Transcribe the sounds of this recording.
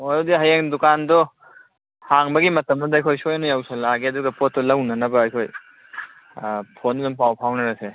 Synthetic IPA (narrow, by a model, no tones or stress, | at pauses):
mojdiɦɐjeŋdukandɔ | haŋbɐɡimɐtɐmɐdɐɐjkʰojsojnojawsɐlaɡeɐduɡɐpot̚ːɔlɐwnɐnɐbɐɐjkʰoj | pʰondzɐmpawpʰawnɐɾɐse